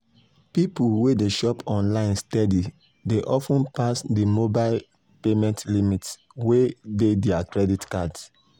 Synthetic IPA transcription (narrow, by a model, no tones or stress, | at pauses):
pipulwedeʃɔpɔ̃nlãɪ̃nstɛdi | deʔɔfũnpasdimobaɪl | pemɛ̃ntlimits | wededɛakɹɛditkads